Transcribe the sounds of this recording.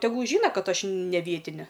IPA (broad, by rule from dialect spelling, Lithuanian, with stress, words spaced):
tʲɛˈɡʊlˠ ˈʒʲiːnɐ ˈkɐt ˈɐʃ nʲɛ ˈʋʲiɛtʲɪnʲɛ